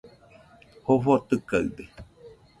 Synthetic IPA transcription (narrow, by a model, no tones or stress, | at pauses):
hofot̪ɨkaɯ̰d̪e